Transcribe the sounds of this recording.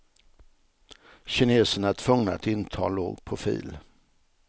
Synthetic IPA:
ɕɪneːsənat̪ʰv̥ɵŋnaat̪ɪnt̪ʰɑ̰ːlo̰ːɡpʰɾʊfḭːl

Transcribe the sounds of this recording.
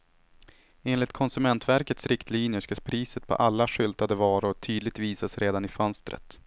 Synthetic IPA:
eːnlɪt̪̚kʰɔnsɵmɛnt̪væɾkət̪sɾɪkt̪ʰliːnjəʂkapʰɾiːsət̪̚pʰɔ̰ʔalːaɧʏlt̪ad̪əvɑːɾʊʈ̪ʰyːd̪lɪɡ̚t̪viːsasɾʔeːd̪anɪfœnst̪ɾə̰t̪

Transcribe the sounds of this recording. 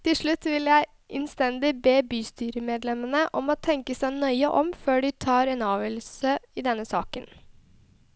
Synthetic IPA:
t̪ʰɪlʂɭʉt̪ːʋɪljæɪ | ʔɛnst̪ɛnd̪ɪbeːbyːst̪yːɾəmeːd̪lɛmənəʔɔmɔːt̪ʰɛŋkəsæɪnœʏəʔɔmføːɖɪt̪ʰɑːɾeːnɑːʋɛːl̩səɪd̪ɛnːəsɑːkən

